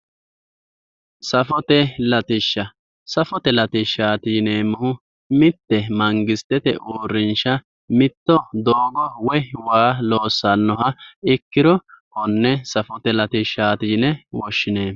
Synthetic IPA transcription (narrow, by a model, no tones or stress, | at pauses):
sɐfɔt̪ɛlɐt̪ɪʃːɐ | sɐfɔt̪ɛlɐt̪ɪʃːaːt̪iːneːmʊhʊ | mɪt̪ːɛmɐŋɡɪst̪ɛt̪ɛ̰ʔuːɾːɪnʃɐ | mɪt̪ːɔd̪oːɡɔwɔwaːlo̞ːsːɐnːɔɦɐɪkːɪɾɔkɔnːɛsɐfɔt̪ɛlɐt̪ɪʃːaːt̪iːnɛwɔʃːɪneː